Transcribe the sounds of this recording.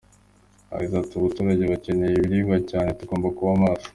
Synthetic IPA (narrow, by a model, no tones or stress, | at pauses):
ha̰ɾitatuβutuːɾaɟe̞βace̞nejeβiɾiːɡacaːne̞tuɡo̞ːmbakuβamaːsu̥